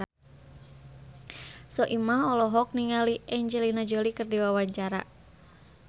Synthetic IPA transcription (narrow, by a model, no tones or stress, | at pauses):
sɔʔimaɦɔlɔɦɔk̚niŋaliʔɛɲd͡ʒɛlinad͡ʒɔlikərdiwawaɲt͡ʃaɾa̰